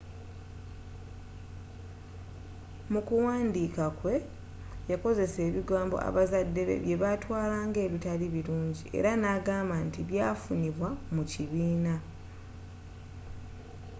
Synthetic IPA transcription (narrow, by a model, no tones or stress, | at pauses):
mukuwaːndiːkakwe̞ | jako̞ze̞se̞ːβiɡaːmbo̞̰ʔa̰βazadːe̞βḛβje̞βatwaːlaːŋɡe̞ːβitaliβiɾuːɲɟiʔe̞̰ɾanaːɡaːmbantiβjaːfuniβwamuciβiːna